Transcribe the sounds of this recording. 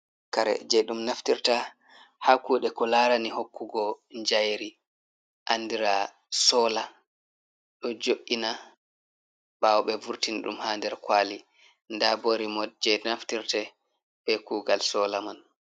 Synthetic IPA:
kaɾɛ̰d͡ʒɛjɗumnaftiɾta | hakuːɗɛkɔlaɾanihokːuɡɔɲd͡ʒajɾi | ʔanːdiɾa | sɔːla | ɗɔd͡ʒoʔːina | bawɔɓɛvuɾtinɗṵmhaːndɛɾkwali | ndaboɾimɔd͡ʒɛnaftiɾtɛ | ɓɛkuːɡalsɔːlaman

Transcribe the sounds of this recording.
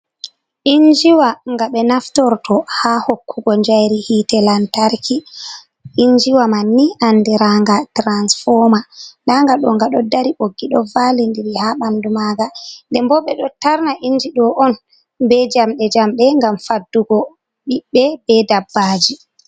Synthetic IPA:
ʔiɲd͡ʒiwaŋɡaɓɛnaftɔɾtʰɔhahokʰːuɡɔɲd͡ʒajɾihitɛlantaɾki | ʔiɲd͡ʒiwamanːiʔandiɾaŋɡatɾansfɔmanaŋɡaɗɔ̰ŋɡaɗɔdaɾiʔoɡːiɗɔvalindiɾihaɓandumaɡandɛmbɔɓɛɗɔtaɾnaʔiɲd͡ʒiɗɔʔɔn | bɛd͡ʒamɗɛd͡ʒamɓɛŋɡamfadːuɡɔ | ɓiɓːɛbɛdabːad͡ʒi

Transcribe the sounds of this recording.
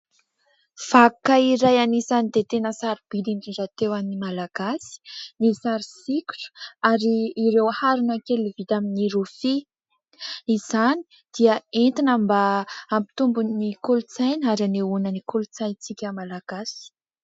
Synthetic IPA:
fakaiɾajanizanid̪et̪enəsaɾib̥iliɳɖ͡ʐiɖ͡ʐat̪ewaminimalaɡ̥asi̥nisaɾisiku̥ʈ͡ʂu̥aɾiːɾewhaɾunakelivit̪aminiɾufi | iz̥ani̥ | d̪̥iəent̪inambaːmpi̥t̪umbunnikulut͡sajnaɾaneunənikulut͡sajnt͡sikʲəmalaɡ̥asi̥

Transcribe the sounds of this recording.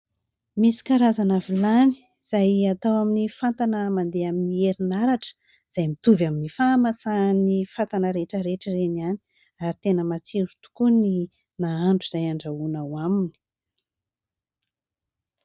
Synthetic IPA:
misi̥kaɾazanavilani̥ | z̥ajat̪awaminifant̪anəmand̪eaminieɾinaɾaʈ͡ʂə̥ | z̥ajmit̪uvaminifamasanifat̪anəɾeʈ͡ʂəɾeʈ͡ʂəreniani̥ | aɾit̪enəmat͡siɾut̪u̥kuni | naaɳɖ͡ʐuz̥ajaɳɖ͡ʐaunawamini̥

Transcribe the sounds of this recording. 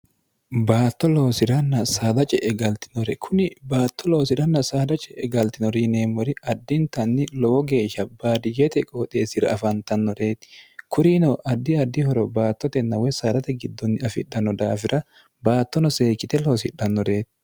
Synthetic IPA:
baːt̪ːɔlo̞ːsɪɾɐnːɐsaːd̪ɐt͡ʃʼɛʔɛɡɐlt̪ɪnɔɾɛkʰʊnɪbaːt̪ːɔlo̞ːsɪɾɐnːɐsaːd̪ɐt͡ʃʼɛʔɛɡɐlt̪ɪnɔɾine̞ːmːɔɾɪɐd̪ːɪnt̪ɐnːɪlɔwɔɡe̞ːʃːɐbaːd̪ɪd͡ʒɛt̪ɛkʼoːt̪ʼe̞ːsɪɾɐ̰ɐfɐnt̪ɐnːɔɾe̞ːt̪ɪ̥kʰʊɾinɔːʔɐd̪ːɪɐd̪ːɪhɔɾɔbaːt̪ːɔt̪ɛnːɐwɛsaːd̪ɐt̪ɛɡɪd̪ːɔnːɪɐfɪ̰ɗɐnːɔd̪aːfɪɾɐ | baːt̪ːɔnɔse̞ːkːɪt̪ɛlo̞ːsɪᶑːɐnːɔɾe̞ːt̪ɪ̥

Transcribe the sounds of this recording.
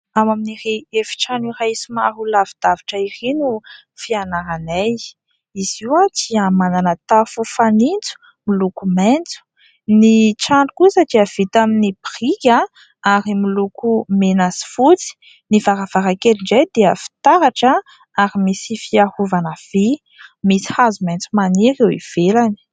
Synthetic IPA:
amaminiɾiefi̥ʈ͡ʂanirajsumaɦulavid̪̥aviʈ͡ʂəirinu | fianaɾanaj | iz̥iwatiamananət̪afufanint͡su̥ | milukument͡su̥ | niʈ͡ʂaɳɖ͡ʐukusadiəv̥it̪aminibirikʲa | aɾimilukumenazi̥fut͡si̥ | nivaɾav̥aɾakeliɳd͡ʒejd̪eəfi̥t̪aɾaʈ͡ʂə | aɾimisifiahuvanav̥i | misi̥hazument͡sumaniɾewḭv̥elani̥

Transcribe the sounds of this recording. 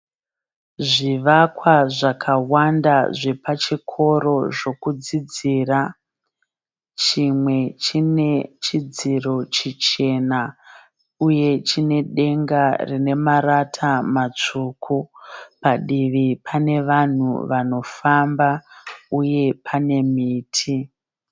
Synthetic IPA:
ʐiʋakwaʐakʰawandaʐe̞pat͡ʃikʰo̞ɾo̞ʐo̞kud͡zid͡ziːra | t͡ʃimwe̞t͡ʃine̞t͡ʃid͡ziro̞t͡ʃit͡ʃe̞na | uje̞t͡ʃine̞ɗe̞ŋɡarine̞maratʰamat͡ʂukʰupaɗiʋipʰane̞ʋan̤ṵʋano̞fambauje̞pʰane̞miːtʰi

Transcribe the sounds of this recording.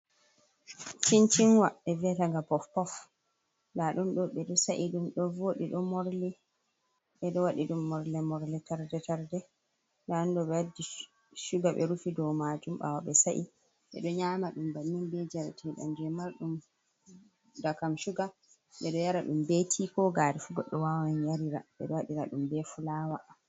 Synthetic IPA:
t͡ʃint͡ʃinwaʔɛvɛtaŋɡapɔfpɔf | laɗumɗɔɓɛɗɔsaʔiɗumɗɔvoɗiɗɔmɔɾli | ɓɛɗɔwaɗiɗumːɔɾlɛmɔɾlɛtaɾdɛtaɾdɛ | dandɔɓɛwadi | ʃuɡaɓɛ̰ɾufidɔmad͡ʒumɓa̰waɓɛsaʔi | ɓɛ̰ɗɔɲaːmaɗumbanːinbɛd͡ʒɛɾatʰɛɗa̰nd͡ʒɛmaɾɗum | dakamʃuɡa | ɓɛɗɔjaɾaɗumbetʰikɔɡaɾifuɡɔɗːɔwawanjaɾiɾa̰ɓɛ̰ɗɔwaɗiɾaɗumbɛfulaːwa

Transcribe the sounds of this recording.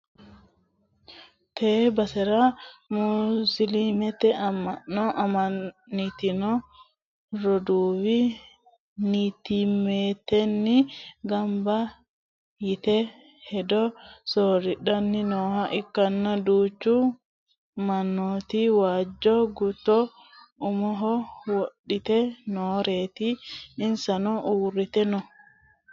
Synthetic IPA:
t̪ʰeːbɐsɛɾɐmusɪlimɛt̪ɛɐmɐnːɔʔɐmɐnːɪt̪ɪnɔ | ɾɔd̪uːwɪ | nit̪imeːt̪ːɛnːɪɡɐmbɐ | jɪt̪ɛ | hɛdɔsoɾiɗanːinɔhaʔikːanːaduːt͡ʃːu | manːot̪iwad͡ʒːɔɡut̪ɔ | ʔumɔɦɔwoɗːit̪ɛnɔːɾet̪iːnsanɔʔuːɾːit̪ɛnɔ

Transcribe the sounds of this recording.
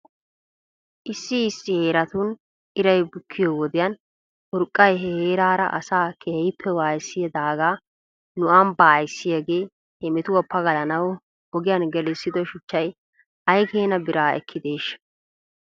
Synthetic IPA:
ʔɪsːɪːsːɪhe̞ːɾɐt̪ʊːn | ɪɾɐjbʊkʰːɪjɔwɔd̪ɪjɐn | ʊɾkʼːɐjɦeːɾaːɾɐ̰ʔɐ̰saːkʰeːɪpʰːɛwaːjsːɪjɐd̪aːɡaː | nʊʔɐmbaːjsːɪjɐɡeː | hɛmɪt̪ʊwɔpːɐɡɐlɐnɐw | hɔɡɪjɐnɡɛlɪsːɪd̪ɔʃʊt͡ʃːɐj | ʔɐjkeːnɐbɪɾaːɛ̰kʰːɪd̪eːʃ

